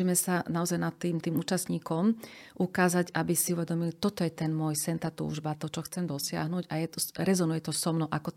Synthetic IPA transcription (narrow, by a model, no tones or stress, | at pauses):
imɛsanaɔzajnat̪ːiːmt̪iːmuːt͡ʃasɲiːkɔmʔukaːzaɟabisiuʋɛd̪ɔmilit̪ɔt̪ɔjɛt̪ɛnmʊɔjsɛnt̪aːt̪ṵːʒbat̪ɔt͡ʃɔxt͡sɛmd̪ɔsɪa̰ɦnuːɟajɛt̪ɔɾɛzɔnujɛt̪ɔsɔmnɔʔakɔ